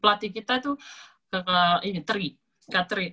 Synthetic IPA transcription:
plat̪ikit̪at̪u | kakainit̪əɾi | kat̪ɾi

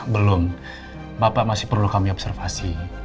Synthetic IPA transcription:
bəlʊm | bapaʔmasɪhpərlukamiɔbsərfasi

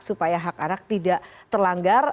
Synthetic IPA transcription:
supajaɦakanak̚t̪idaʔt̪ərlaŋɡar

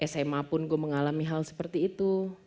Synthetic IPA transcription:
ʔɛsajɛmapʊnɡuəməŋalamiɦalsə̥pərt̪iːt̪u

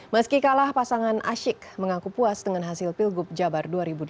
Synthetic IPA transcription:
məskikalahpasaŋanʔa̰ʃɪkməŋakupuasdəŋanɦasɪlpilɡʊp̚d͡ʒabarduaɾibud

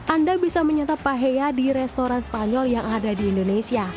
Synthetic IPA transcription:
ʔandabisaməɲat̪apaɦejadiɾɛst̪oɾanspaɲɔljaŋadadiːndonesia

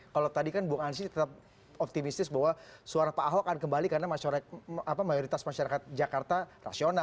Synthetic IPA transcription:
kalat̪adikanbuaŋansit̪ət̪ap̚ | ɔp̚t̪imist̪ɪsbawasuaɾapaːɦoakankəmbalikarnamaaapamajoɾit̪asmaʃaɾakat̪̚d͡ʒakart̪ara̰siona

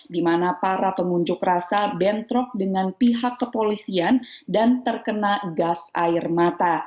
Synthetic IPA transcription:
dimanapaɾapəmuɲd͡ʒʊkrasabɛnt̪ɾɔk̚dəŋanpiɦakːəpolisiandant̪ərkənaɡasaɪrmat̪a

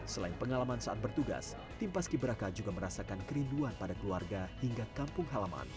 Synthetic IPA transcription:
səlaɪnpəŋalamansaʔat̪̚bərt̪uɡa̰s | t̪impaskibəɾakad͡ʒuɡaməɾasakankəɾinduanpadakəluarɡahiŋɡakampʊŋɦalama̰n

